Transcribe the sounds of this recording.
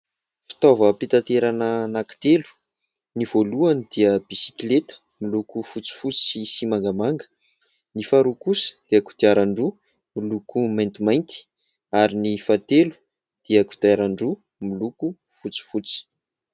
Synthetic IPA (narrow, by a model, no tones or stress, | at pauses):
fi̥t̪ovəpit̪at̪eɾanənaki̥t̪elu̥ | niv̥oluanid̪̥iəb̥isi̥klet̪ə̥ | milukufut͡si̥fut͡si̥isimaŋɡamaŋɡə̥ | nifaɾukusə̥d̪̥iaku̥t̪iaɾaɳɖ͡ʐu | milukumajnt̪imajnt̪i̥ | aɾinifat̪elu̥ | d̪̥iəku̥t̪aɾaɳɖ͡ʐu | miluku | fut͡si̥fut͡si̥